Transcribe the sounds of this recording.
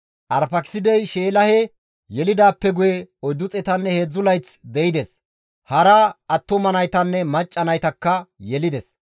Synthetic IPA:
ʔɐɾfɐksɪd̪ɛjʃeːlɐhɛ | jɛlɪd̪aːpːɛɡʊjɛɔjd̪ʊt͡sʼɛt̪ɐnːɛheːd͡zːʊlɐjt͡sd̪ɛɪd̪ɛs | hɐɾɐɐt̪ːɔmɐnɐjt̪ɐnːɛmɐt͡ʃʼːɐnɐjt̪ɐkːɐjɛlɪd̪ɛs

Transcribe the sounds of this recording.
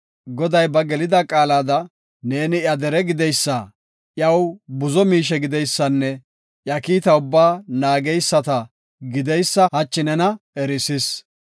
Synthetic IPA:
ɡɔd̪ɐjbɐɡɛlɪd̪ɐkʼaːlaːd̪ɐ | ne̞ːnɪjɐd̪ɛɾɛɡɪd̪ɛjsːɐ | ʔjɐwbʊzɔmiːʃ̬ɛɡɪd̪ɛjsːɐnːɛ | ʔjɐkiːt̪ɐʊbːaːnaːɡɛjsːɐt̪ɐ | ɡɪd̪ɛjsːɐhɐt͡ʃːɪnɛnɐɛɾɪsɪs

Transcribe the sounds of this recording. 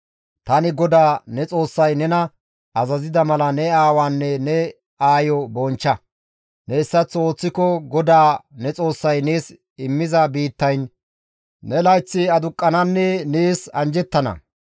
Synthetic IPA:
t̪ɐnɪɡɔd̪aːnɛt͡sʼo̞ːsːɐjnɛnɐ | ɐzɐzɪd̪ɐmɐlɐnɛaːwaːnːɛnɛ | aːjɔbɔnt͡ʃːɐ | nɛɪsːɐt͡sːo̞ːt͡sːɪkɔɡɔd̪aːnɛt͡sʼo̞ːsːɐjne̞ːs | ɪmːɪzɐbiːt̪ːɐjnː | ɛlɐjt͡sːɪɐd̪ʊkʼːɐnɐnːɛneːsɐ̰nd͡ʒɛt̪ːɐnɐ̰

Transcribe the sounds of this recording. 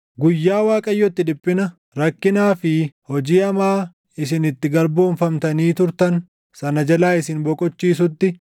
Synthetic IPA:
ɡʊjːaːwaːkʼɐjːɔt̪ːɪᶑɪpʼːɪnɐ | ɾɐkːɪnaːfɪhɔd͡ʒiːɐmaː | ɪsɪnɪt̪ːɪɡɐɾboːnfɐmt̪ɐniːt̪ʊɾt̪ɐn | sɐnɐd͡ʒɐlaːɪsɪnbɔkʼɔt͡ʃːiːs̬ʊt̪ːɪ

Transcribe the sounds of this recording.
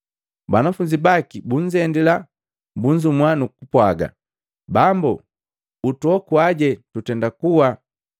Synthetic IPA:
banafuɲd͡ʒibakibuɲd͡ʒɛndila | buɲd͡ʒumwanukupwaɡa̰ | bambu | utuɔkuaɟɛtutɛndakuwa

